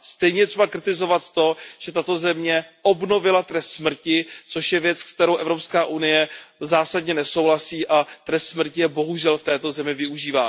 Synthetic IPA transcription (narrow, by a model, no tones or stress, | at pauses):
st̪ɛjɲɛjɛt̪r̥ɛbakɾɪt̪ɪzo̞vat̪t̪o̞ʒ̥ɛt̪at̪o̞zɛmɲɛʔo̞bno̞vɪlat̪ɾɛst̪smr̩cɪt͡so̞ʃjɛvjɛt͡skt̪ɛɾowʔɛvɾo̞pskaːʔunɪjɛzaːsadɲɛnɛsowɦlasiːʔat̪ɾɛst̪smr̩cɪjɛbo̞ɦuʒɛlft̪ɛːt̪o̞zɛmɪvɪuʒiːvaː